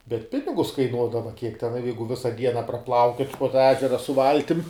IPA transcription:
bʲɛt ˈpʲɪnʲɪɡʊs kɐɪˈnuɔdɐʋɐ kʲiɛk tʲɛn ɐ ˈjɛɪɡʊ ˈʋʲɪsɐ ˈdʲiɛnɐ prɐˈplˠɐʊkʲoːtʲ poː tɑː ˈæːʒʲɛrɐ sʊ ˈʋɐlʲtʲɪm

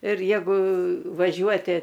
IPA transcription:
ɪr ˈjæːɡʊ ʋɐˈʒʲuɔtʲɪ

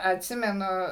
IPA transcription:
ɐtʲˈsʲɪmʲɛnʊ

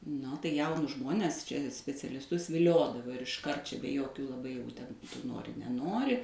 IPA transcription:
ˈnʊ tɐɪ ˈjɛʊnʊs ˈʒmoːnʲɛs ˈt͡ʃʲɛ sʲpʲɛt͡sʲɛlʲɪsˈtʊs ʋʲɪˈlʲoːdɐʋoː ɪr ɪʃˈkɐrt t͡ʃʲɛ bʲɛ ˈjoːkʲuː lˠɐˈbɐɪ jɛʊ tʲɛn tʊ ˈnoːrʲɪ nʲɛˈnoːrʲɪ

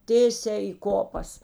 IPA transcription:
ˈtʲeːsʲæː iː ˈkoːpɐs

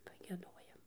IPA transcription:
pɐɡʲiɛˈdoːjɛm

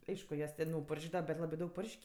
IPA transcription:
ˈɐɪʃkʊ ˈjuɔs tʲɛn jɛʊ pɐrʲˈʒʲæːdɐʋɐ bʲɛt ˈlˠɑːbɜ ˈdɐʊk ˈpʊrʲʃʲkʲ

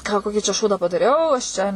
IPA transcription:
kɑː ˈkoːkʲiː t͡ʃʲɛ ˈʃuːdɑː pɐdɐˈrʲɛʊ ɐʃ ˈt͡ʃʲɛ

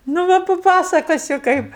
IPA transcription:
nʊ ˈʋɐ pɐˈpɑːsɐkoːsʲʊ ˈkɐɪp

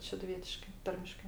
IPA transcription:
ʃʲɛdʊˈʋʲiɛtʲɪʃkɐɪ ˈtɐrʲmʲɪʃkɐɪ

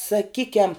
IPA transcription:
sɐˈkʲiːkʲɛm

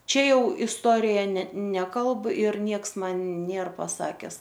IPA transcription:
ˈt͡ʃʲɛ ˈjɛʊ ɪsˈtoːrʲɪjɛ nʲɛ ˈnʲæːkɐlˠp ɪr ˈnʲiɛks ˈmɐn ˈnʲeːr pɐˈsɑːkʲɛs

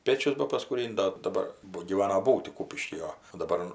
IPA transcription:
ˈpʲeːt͡ʃʲʊs bɐpɐskuːˈrʲɪnʲtʲ ˈdoː dɐˈbɐr ˈbʊ ɡʲiːˈʋɑːnɐ ˈbuːtʲɪ ˈkuːpʲɪʃʲkʲiː oː oː dɐˈbɐr

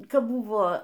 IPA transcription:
ˈkɑːbˈbʊʋoː

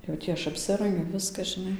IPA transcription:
jɛʊ ˈtʲiː ɐʃ ɐpʲˈsʲɪrɐŋʲɡʲʊ ˈʋʲɪskɐ ʒʲɪˈnɐɪ

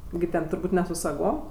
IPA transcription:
ɡʲɪ ˈtʲɛn tʊrˈbuːtʲ nʲɛ sʊ sɐˈɡoːm

